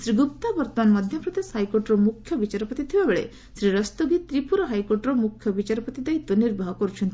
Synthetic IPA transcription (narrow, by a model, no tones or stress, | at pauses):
sɾiɡup̚t̪abɔɾt̪ɔmanmɔd̪ʱjɔpɾɔd̪eshajkoɾʈɾɔmukʰjɔbit͡ʃaɾɔpɔt̪it̪ʰibabeɭḛ | sɾiɾɔst̪oɡit̪ɾipuɾɔɦajkoɾʈɾɔmukʰjɔbit͡ʃaɾɔpɔt̪id̪ajt̪uniɾbʱaɦɔkɔɾut͡ʃʰɔnt̪i